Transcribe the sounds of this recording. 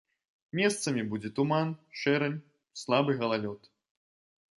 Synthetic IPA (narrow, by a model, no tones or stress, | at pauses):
mʲɛst̪sɐmʲibud͡zʲɛt̪umanʂɛɾɐnʲ | slˠabɨɣɐlˠalʲɔt̪